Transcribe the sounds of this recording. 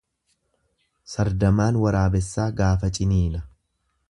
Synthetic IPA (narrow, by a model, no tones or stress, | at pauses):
sɐɾd̪ɐmaːnwɐɾaːbɛsːaːɡaːfɐt͡ʃʼɪniːnɐ